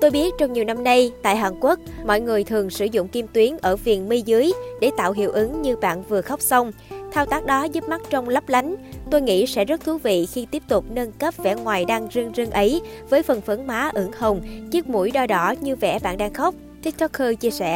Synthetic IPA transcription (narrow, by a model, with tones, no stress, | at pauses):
t̪o˧jɓi˦˥ət̚t͡ɕɔ˧wŋ͡mɲi˨˩wna˧mna˧jt̪a̰ː˧˨jɦaː˨˩nkwu˦˥ək̚mɔ̰˧˨jŋɨ˨˩əjt̪ʰɨ˨˩əŋsɨ˧˩zʊ̰˧˨ŋ͡mki˧mt̪wi˨˦ənʔəː˧˩vi˨˩ənmi˧zɨ˨˦əjɗe˧˩t̪a̰ː˧˨wɦḭ˧˨əwʔɨ˨˦ŋɲɨ˧ɓa̰ː˧˨nvɨ˨˩əxa˦˥wk͡p̚sə˧wŋ͡mt̪ʰaː˧wt̪aː˦˥k̚ɗɔ˨˦zu˦˥p̚ma˦˥k̚t͡ɕɔ˧wŋ͡mlə˦˥p̚la˨˦jŋ̟t̪o˧jŋḭ˧˥sɛ̰˧˥zə˦˥t̚t̪ʰu˨˦vḭ˧˨xi˧t̪i˦˥əp̚t̪ʊ˨˩k͡p̚nəː˧nkə˦˥p̚vɛ̰˧˩ŋwaː˨˩jɗaː˧ŋzɨ˧əŋzə˧ŋʔə˨˦jvəː˨˦jfə˨˩nfə˨˦nmaː˨˦ʔɨ˨˦ŋhə˨˩wŋ͡mt͡ɕɨ˦˥k̚mṵ˧˩jɗɔ˧ɗɔ˨˦ɲɨ˧vɛ̰˧˩ɓa̰ː˧˨nɗaː˧ŋxa˦˥wk͡p̚ | t̪ʰi˦˥k̚t̪ʰɔ˦˥kʰːəː˧t͡ɕi˧əsɛ̰˧˩˨